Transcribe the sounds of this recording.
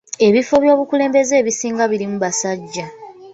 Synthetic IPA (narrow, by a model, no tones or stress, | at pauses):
e̞βifo̞βjo̞ːβukule̞ːmbe̞ze̞ːβisiːŋɡaβiɾimuβasaɟːa